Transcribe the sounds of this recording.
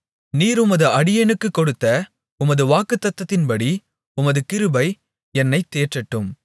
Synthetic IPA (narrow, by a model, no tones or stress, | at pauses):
niːɾʊmɐðɯɐɽɪjɛnɯkːɯkːɔɽɯt̪ːɐ | ʊmɐðɯʋaːkɯt̪ːɐt̪ːɐt̪ːɪnpɐɽi | ʊmɐðɯkɪɾɯbɐɪ | ɛnːɐɪt̪ːeːʈrɐʈːɯm